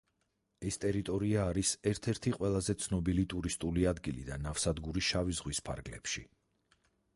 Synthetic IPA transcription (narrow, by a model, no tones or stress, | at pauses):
ɛst̪ʼɛɾit̪ʼɔɾiaːɾisɛɾt̪ʰɛɾt̪ʰiqʼwɛlˠazɛt̪sʰnɔbilit̪ʼuɾist̪ʼuliad̪ɡilḭd̪anafsad̪ɡuɾiʃavizʁwispʰa̰ɾɡlɛ̰pʃi